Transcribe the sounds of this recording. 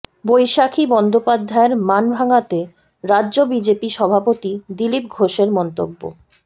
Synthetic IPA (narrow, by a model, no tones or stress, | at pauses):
bojʃakʰibɔnd̪opad̪ʱːaeɾmanbʱaŋat̪e | ɾadːʑobid͡ʑepiʃɔbʱapot̪id̪ilip̚ɡʱoʃeɾmɔnt̪obːo̰